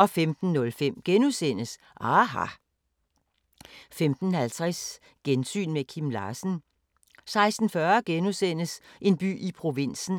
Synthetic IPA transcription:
ʔɒ̽femd̥n̩nːɔ̽lfem̰ɡ̥enusen̰əs | ʔɑɦɑ̰̈ | femd̥n̩hælt͡sʰʁɛs | ɡ̥ensy̰ːnmekʰimlɑ̰̈ːsn̩ | sɑ̈ɪsd̥n̩fɶːɐɡ̥enusen̰əsʔe̝nb̥y̰ːipʰʁo̝ʋen̰sn̩

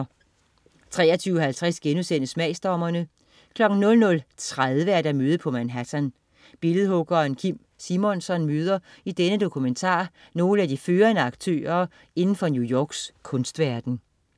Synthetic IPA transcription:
t͡sʰʁɛ̰ːɐt͡sʰyːʊɦælt͡sʰʁɛsɡ̥enusen̰əsmɛɪsd̥ɒmɐnə | kʰlɒ̽ɡ̥n̩nɔ̽lnɔ̽lt͡sʰʁaðˠʋəæɐd̥æmøːð̞̩ˠpʰɒ̽mænɦæsæn | b̥e̝ləð̩ˠhɔ̽ɡ̥ɐenkʰim̰ | simɔ̽nsɒ̽nmøːð̞ˠɐid̥enəd̥o̝kʰument͡sʰɑ̰̈ː | no̝ːləæd̥iføːɐnəɑ̈ɡ̥t͡sʰø̰ːɐ | e̝nn̩fɒ̽njujɒːɡ̥skʰɔ̽nsd̥ʋæɐd̥n̩

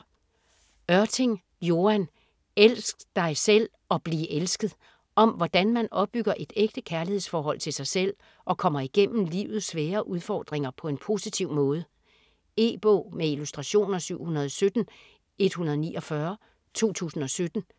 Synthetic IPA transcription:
ɶɐt͡sʰe̝ŋ | jo̝æn | elsɡ̥d̥ɑ̈ɪsel̰ | ɒ̽b̥liːʔelsɡ̥ð̩ˠ | ɒ̽mʋɒd̥ænmænʔɒ̽b̥ːyɡ̥ɐʔe̝d̥eɡ̥̚d̥əkʰæɐlihe̝̰sfɒːɦɒ̽l̰t͡sʰe̝lsɑ̈ɪsel̰ | ʔɒ̽kʰɒ̽m̰ɐiɡ̥en̰m̩lḭːʊð̞̩ˠsʋɛːɐʔuð̞ˠfɒ̰ːd̥ʁeŋɐpʰɒ̽e̝npʰo̝ːsit͡sʰiʊ̰mɔ̽ːð̞ˠə | e̝̰ːb̥ɔ̰ːmeilusd̥ʁɑ̈ɕo̝̰ːnɐsyʊ̰hunɐð̞ˠɒ̽sød̥n̩ | e̝d̥hunɐðˠniːʔɒ̽fɶɐ | t͡sʰo̝̰ːt͡sʰṵːsn̩ɒ̽sød̥n̩

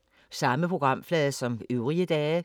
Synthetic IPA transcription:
sɑ̈məpʰʁo̝ɡ̥ʁɑ̈m̰flɛːðˠsɒ̽møʊʁiəd̥ɛː

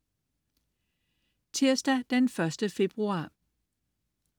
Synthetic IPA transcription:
t͡sʰiɐ̰sd̥æd̥enfɶɐsd̥əfe̝b̥ʁuɑ̰̈ː

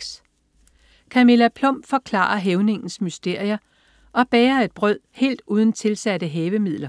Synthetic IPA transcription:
s | kʰæme̝læpʰlɔ̽m̰b̥fɒ̽kʰlɑ̰̈ːɐɦeʊne̝ŋn̩smysd̥e̝ɐ̰iɐ | ʔɒ̽b̥ɛːɐe̝d̥̚b̥ʁœð̰ˠhe̝̰ːld̥uːð̞ˠn̩t͡sʰe̝lsæd̥əɦɛːʋəmið̰ˠlɐ

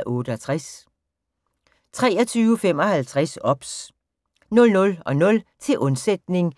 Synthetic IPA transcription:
ʔɔ̽ːɾ̥əɒt͡sʰʁas | t͡sʰʁɛːɐt͡sʰyːʊəfem̰ɒ̽hælt͡sʰʁasɒ̽b̥s | nɔ̽lnɔ̽lɒ̽nɔ̽lt͡sʰe̝ʔɔnsed̥̚ne̝ŋ

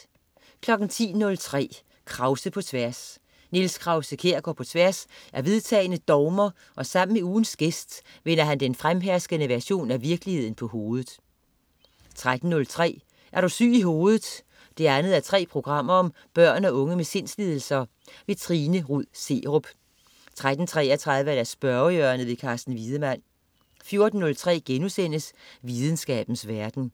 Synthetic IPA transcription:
kʰlɒ̽ɡ̥n̩t͡sʰḭːnɔ̽lt͡sʰʁɛ̰ː | kʰʁɑ̈ʊsəpʰɒ̽t͡sʰʋæɐs | nelskʰʁɑ̈ʊsəkʰe̝ɐ̰ɡ̥ɒpʰɒ̽t͡sʰʋæɐsʔæɐʋe̝ð̞ˠt͡sʰɛ̰ːɪnəd̥ɒʊmɐ | ʔɒ̽sɑ̈m̰n̩meuːn̩sɡ̥esd̥ʋenɐɦænd̥enfʁamɦæɐsɡ̥ənəʋæɐɕo̝̰ːnæʋiɐɡ̥əlihe̝ð̰ˠn̩pʰɒ̽ho̝ːð̞ˠð̩ˠ | t͡sʰʁad̥n̩ːɔ̽lt͡sʰʁɛ̰ː | ʔæɐɾ̥osy̰ːiɦo̝ːð̞̩ˠ | d̥e̝ænð̞̩ˠæɐt͡sʰʁɛ̰ːpʰʁo̝ɡ̥ʁɑ̈m̰ɐɒ̽m | b̥ɶɐ̰nɒ̽ɔ̽ŋəmese̝n̰slið̞ˠl̩sɐ | ʋe̝t͡sʰʁiːnəʁuð̰ˠse̝̰ːʁɔb̥ | t͡sʰʁad̥n̩t͡sʰʁɛːɐt͡sʰʁɑ̈ð̞ˠʋəædæsb̥ɶɐjøɐnəʋe̝kʰɑːsd̥n̩ʋiːð̞ˠəmæn̰ | fjo̝ɐd̥n̩ːɔ̽lt͡sʰʁɛ̰ːɡ̥enusen̰əsʋið̞ˠn̩sɡ̥ɛ̰ːb̥n̩sʋæɐd̥n̩

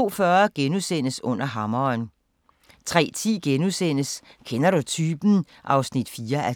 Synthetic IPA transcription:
o̝̰ːfɶɐɡ̥enusen̰əsɔ̽n̰ɐɦɑ̈mɐn | t͡sʰʁɛ̰ːt͡sʰḭːɡ̥enusen̰əskʰenɐɾ̥ut͡sʰyːb̥n̩ | ʔɑ̈ʊsnid̥fiːɐʔæ

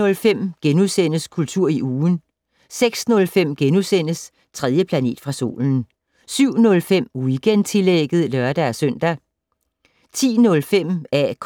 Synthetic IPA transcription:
ɔ̽lfem̰ɡ̥enusen̰əskʰult͡sʰuɐ̰iʔuːn̩ | seɡ̥snɔ̽lfem̰ɡ̥enusen̰əs | t͡sʰʁɛð̞ˠjəpʰlæne̝̰ːd̥fʁɑ̈so̝̰ːln̩ | syʊ̰nɔ̽lfem̰uɡ̥ent͡sʰe̝leɡ̥ð̞̩ˠlœɐd̥ææsœn̰d̥æ | t͡sʰḭːnɔ̽lfem̰ækʰ

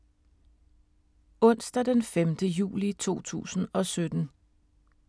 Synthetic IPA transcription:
ɔ̽n̰sd̥æd̥enfemd̥əjṵːlit͡sʰo̝̰ːt͡sʰṵːsn̩ɒ̽sød̥n̩

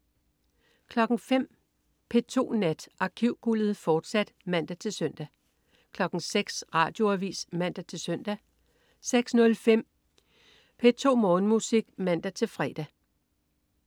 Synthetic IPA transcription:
kʰlɒ̽ɡ̥ŋ̩fem̰ | pʰe̝t͡sʰo̝̰ːnæd̥ʔɑ̈kʰiʊ̰ɡ̥ul̰ð̞̩ˠfɒːd̥sæd̥mæn̰d̥æt͡sʰe̝lsœn̰d̥æ | kʰlɒ̽ɡ̥ŋ̩seɡ̥sʁɑ̈ːd̥jo̝æʋḭːsmæn̰d̥æt͡sʰe̝lsœn̰d̥æ | seɡ̥snɔ̽lfem̰ | pʰe̝t͡sʰo̝̰ːmɔ̽ːn̩musiɡ̥mæn̰d̥æt͡sʰe̝lfʁɛːd̥æ

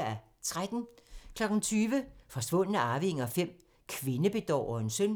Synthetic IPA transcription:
æ | t͡sʰʁad̥n̩kʰlɒɡ̥n̩t͡sʰyːʋəfɒ̽sʋɔ̽n̰ənæɑ̈ːʋiŋɒfem̰ | kʰʋe̝nəb̥e̝d̥ɒ̰ːɒe̝nsøn

